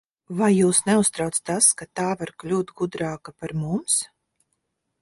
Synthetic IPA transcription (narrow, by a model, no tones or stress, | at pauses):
vajːuːsnɛust̪ɾawt̪st̪askat̪aːvaɾklʲuːt̪ɡud̪ɾaːkapaɾmums